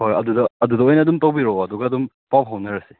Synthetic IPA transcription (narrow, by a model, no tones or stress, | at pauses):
hojɐdudɐɐdudɐojnɐːdumtawbiɾɔwɐduɡɐːdum | pap̚ɦawnɐɾɐsi